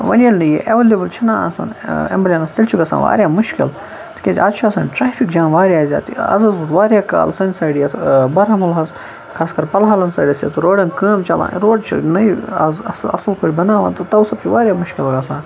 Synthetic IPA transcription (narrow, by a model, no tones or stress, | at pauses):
ʋɐ̰nʲɐlʲnɐjḛʔeʋelebɐlt͡ʃʰinaːsa̰nḛmbɐlʲjɐnɐst̪ɐlʲt͡ʃʰiɡɐsa̰ːʋa̰ːɾʲjaːmuʃkil | t̪ʰi̥kʲetʲaːt͡ʃʰiasaːnʈɾaːfʰikd͡ʒaːnʋaːɾjaːzʲa̰ːt̪ḭɐ̰zɐzbut̪ʋaːɾʲjaːka̰ːlsɐnʲsaːɖijɐt̪bɐɾɐmɐlɦɐz | kʰaːskɐɾpɐlɦaːlɐnsaːɖʲɐsjɐ̰t̪uɾoːɖɐnkəːmt͡ʃɐlã̰ːɾoːɖt͡ʃʰḭnɐjɐzsɐ̰sɐlkʰoːɽʲibɐnaːʋã̰nt̪ɐt̪ɐwsɐb̚t͡ʃʰiʋaːɾʲjaːmuʃkʲilɐɡasãːn